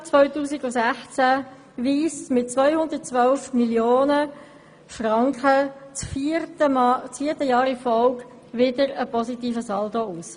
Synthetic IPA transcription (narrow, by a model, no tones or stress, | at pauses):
t͡svœʏtuːsiɡʊsæχt͡sæ | ʋiːstmɪt̚t͡svœʏhʊnd̪ət̚t͡sʋœlfmiljoːnə | frɑŋkχət͡sfət͡sfiːətəjɑːɾifɔlk | ʋɪdəɾəpɔsitiːfəsɑldouːs